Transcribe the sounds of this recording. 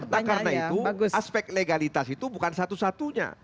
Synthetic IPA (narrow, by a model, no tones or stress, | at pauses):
rnakarnait̪uɡaspɛk̚t̪leɡalit̪asit̪ubukansat̪usat̪uɲa̰